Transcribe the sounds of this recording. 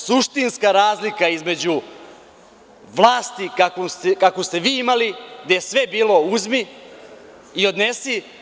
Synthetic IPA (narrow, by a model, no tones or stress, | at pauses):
suʃt̪inskaɾaːzlikaizme̞d͡ʑu | ʋlˠaːst̪ikakost̪ekakost̪e̞ʋiːimaliɡd̪ajesʋe̞biːlo̞uzmi | io̞d̪nesi